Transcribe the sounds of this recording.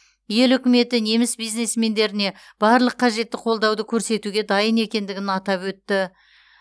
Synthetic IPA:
je̞lʏkʲɪme̞t̪ɪne̞mɪsbijzne̞sme̞nd̪e̞ɾɪne̞ | b̥ɑɾlˠəqʰːɑʒe̞t̪ːɪqʰo̞lˠd̪ɑwd̪əkʲʰɵɾse̞t̪uɡʲe̞d̪ɑjəne̞kʲe̞nd̪ɪɡʲɪnɑt̪ɑpwɵt̪ːɪ

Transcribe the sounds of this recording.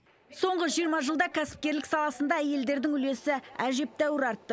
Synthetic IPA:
so̞ɴʁəʒijəɾmɑʒəlˠd̪ɑkʲʰæsɪ̥p̚kʲe̞ɾlɪksɑlˠɑsənd̪ɑæje̞ld̪e̞ɾd̪ɪŋʏle̞sɪæʒe̞p̚t̪æwɪɾɑɾt̪ːə

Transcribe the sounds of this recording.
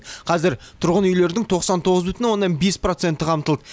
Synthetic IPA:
qʰɑzɪɾt̪ʰʊɾʁənʏjle̞ɾɪd̪ɪŋt̪ʰo̞qsɑnt̪ʰo̞ʁəzbʏt̪ɪnwo̞nːɑnbe̞spro̞t̪se̞nt̪ɪqʰɑmt̪əlˠd̪ə

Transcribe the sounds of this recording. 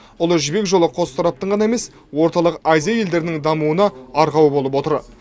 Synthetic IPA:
ʊlˠəʒɪbe̞kʒo̞lˠəqʰo̞st̪ʰɑɾɑp̚t̪əɴʁɑnɑe̞me̞s | wo̞ɾt̪ɑlˠəqɑjzijɑje̞ld̪e̞ɾɪnɪŋd̪ɑmuənɑɑɾʁɑwəbo̞lˠəpwo̞t̪əɾ

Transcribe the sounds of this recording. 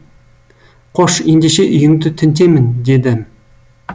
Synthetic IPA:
qʰoʃend̪eʃeʔʏjɪŋd̪ɪt̪ʰɪnt̪̬emɪnd̪ed̪ɪ

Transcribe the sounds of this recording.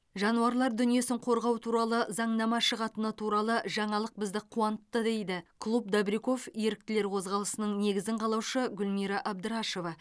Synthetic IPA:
ʒɑnuɑɾlˠɑɾd̪ʏnije̞sɪŋqʰo̞ɾʁɑwt̪ʰuɾɑlˠəzɑɴnɑmɑʃəʁɑt̪ənət̪ʰuɾɑlˠəʒɑɴɑlˠəq̚bɪzd̪ɪqʰuɑnət̪ːəd̪e̞jd̪ɪkʰlˠup̚d̪abɾiko̞fje̞ɾɪk̚t̪ɪle̞ɾqʰo̞zʁɑlˠəsənəɴne̞ɡʲɪzɪɴqʰɑlˠɑwʃəɡʲʊlmiɾɑʔɑb̚d̪əɾɑʃo̞vɑ

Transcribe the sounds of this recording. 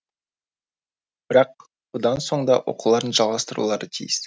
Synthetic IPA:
b̥ɪɾɑq̚ | b̥ʊd̪ɑnso̞ɴd̪ɑwʔo̞̰qulˠɑɾənʒɑlˠʁɑst̪əɾṵlˠɑɾət̪ʰḭjɪs

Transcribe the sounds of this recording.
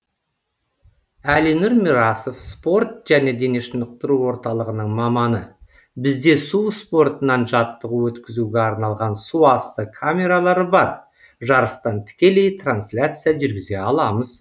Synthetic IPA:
ælinuɾmʲiɾaso̞fspo̞rt̪ʒ̥æne̞d̪e̞ne̞ʃənəq̚t̪əɾuwo̞ɾt̪ɑlˠəʁənəɴmɑmɑnə | bɪzd̪e̞suspo̞rt̪ənːɑnʒɑt̪ːəʁəwɵt̪kʲɪzuɡʲeɑɾnɑlˠʁɑnsuɑst̪əkʰamʲe̞ɾalˠɑɾəbɑɾ | ʒɑɾəst̪ɑnt̪ʰɪ̥kʲe̞le̞jt̪ranslʲat̪sɨjaʒʏɾɡʲɪze̞ɑlˠɑməz̥

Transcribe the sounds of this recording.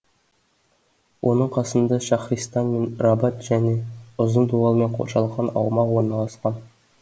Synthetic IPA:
wʔonəɴqʰɑsənd̪ɑʃɑχrist̪ɑnmenrɑbɑt̪ʒ̥æneʊzənd̪uɑlˠmenqʰo̰ʃɑlˠʁɑnɑ̰wmɑqwoɾnɑlˠɑsqɑn

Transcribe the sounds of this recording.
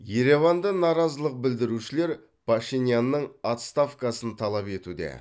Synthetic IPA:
je̞ɾe̞vɑnd̪ənɑɾɑzəlˠəq̚bɪld̪ɪɾuʃɪle̞ɾ | pʰaʃinijanːəɴat̪st̪afkɑsənt̪ʰɑlˠɑpe̞t̪ud̪ḛ

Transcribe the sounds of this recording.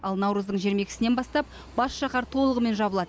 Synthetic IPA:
ɑlˠnɑwɾəzd̪əɴʒeɾme̞kʲɪ̥sɪnenbɑst̪ɑp̚ | bɑsʃɑχɑɾt̪ʰo̞lˠəʁəme̞nʒɑbəlˠɑd̪ə

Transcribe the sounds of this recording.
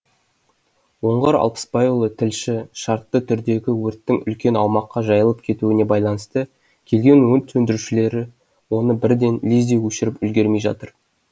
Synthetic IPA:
wo̞ɴʁɑɾɑ̰lˠpə̥spɑjulˠət̪ʰɪlʃɪʃɑɾt̪ːət̪ʰʏɾd̪e̞ɡʲɪwɵɾt̪ːɪŋʏ̰lkʲe̞nɑwmɑqːɑʒɑjəlˠəp̚kʲʰe̞t̪uɪne̞bɑjlˠɑnəst̪ə | kʲʰe̞lɡʲe̞nwɵnt̪ʰːɵnd̪ɪɾuʃɪle̞ɾɪ | wo̞nəbɪɾd̪e̞nlizd̪e̞jwɵʃɪɾɪpʏlɡʲe̞ɾme̞jʒɑ̰t̪əɾ

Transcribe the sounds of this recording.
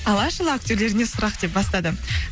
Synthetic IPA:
ɑlˠɑʃəlˠak̚t̪ʲo̞ɾle̞ɾɪnesʊɾɑqd̪e̞p̚bɑst̪ɑd̪ə

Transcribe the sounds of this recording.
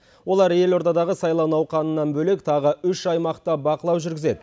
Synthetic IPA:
wo̞lˠɑɾje̞lo̞ɾt̪ɑd̪ɑʁəsɑjlˠɑwnɑwqʰɑnənːɑnbɵle̞kt̪ʰɑʁəʏʃɑjmɑqt̪ɑbɑqəlˠɑwʒʏɾɡʲɪze̞d̪ɪ

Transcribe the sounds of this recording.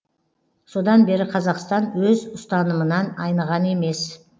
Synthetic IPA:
so̞d̪ɑnbe̞ɾɪqʰɑzɑqst̪ɑnwɵzʊst̪ɑnəmənɑnɑjnəʁɑne̞me̞s

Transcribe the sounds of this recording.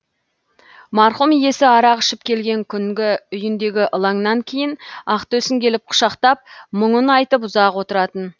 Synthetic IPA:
mɑɾχumje̞sɪɑɾɑqɪʃɪp̚kʲʰe̞lɡʲe̞ŋkʲʰʏŋɡʲɪʏjɪnd̪e̞ɡʲɪʔəlˠɑŋnɑŋkʲʰejɪnɑqt̪ɵsɪŋkʲʰe̞lɪp̚qʰʊ̥ʃɑqt̪ɑp̚məɴənɑjt̪əpʊzɑqwo̞t̪əɾɑt̪ən

